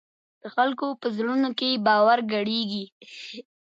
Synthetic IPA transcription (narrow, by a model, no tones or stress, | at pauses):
d̪̥əxalkopəzɽunokebɑwaɾɡaɽeɡi